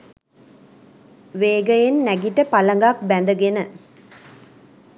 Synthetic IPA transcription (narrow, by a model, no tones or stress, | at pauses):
ʋeːɡəjenːæɡiʈːəpɐlɐŋɡak̚bænd̪əɡenə